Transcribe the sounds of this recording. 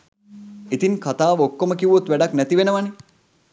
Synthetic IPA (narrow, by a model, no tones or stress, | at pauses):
it̪inkʰɐt̪aːʋəokːoməkiʋot̪ʋɛɖaknæt̪iʋenəʋani